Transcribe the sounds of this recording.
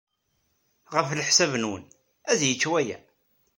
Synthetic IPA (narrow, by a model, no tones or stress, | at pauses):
ʁəfləħsævnwə̰n | æðjət͡ʃːwæjæ̰